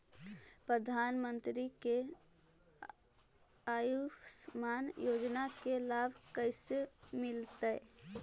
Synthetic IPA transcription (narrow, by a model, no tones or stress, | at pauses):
pɾəd̪ʱaːnmənt̪ɾike | ajusmaːnjod͡ʒnakelabʱkəɪsemɪlt̪əɪ